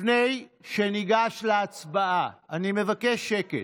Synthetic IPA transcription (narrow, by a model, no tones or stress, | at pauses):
ne̞jʃeniɡaʃleat͡sbaaanime̞vakeʃe̞kḛ